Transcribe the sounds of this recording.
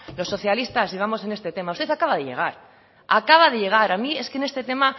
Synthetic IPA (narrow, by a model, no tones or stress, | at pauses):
lo̞sːo̞θjalist̪asiβ̞amo̞se̞nest̪e̞t̪e̞maust̪eθakaβað̞e̞ʎe̞̰ɣ̞aɾ | akaβ̞aðe̞ʎe̞ɣ̞aɾamie̞skene̞st̪e̞t̪e̞ma